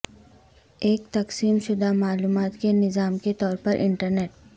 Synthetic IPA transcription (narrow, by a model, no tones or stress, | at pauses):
eːkt̪ɐqsiːmʃʊd̪amaːluːmaːt̪kenɪzaːmket̪ɔːɾpɐɾʔɪ̰̃ɳʈəɾneːʈ̚